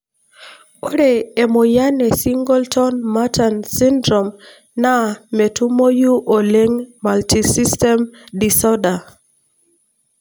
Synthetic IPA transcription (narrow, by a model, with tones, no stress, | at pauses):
o˦ɾe˨e˨mo˨ja˦nɛ˨si˦ŋɡɔ˦ltɔ˦nma˦ta˨nsi˦ndɾɔ˨m | na˦me˨tu˦mo˦ju˦ʔo˨le˦ŋma˨lti˨si˦stɛ˦mdi˨sɔ˦da˨